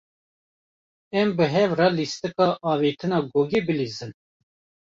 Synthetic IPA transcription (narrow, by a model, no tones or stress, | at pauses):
ɛmbɨɦɛvɾɑlist̪ɨkɑːʔɑːveːt̪ʰɨnɑːɡoːɡibɨlizɨn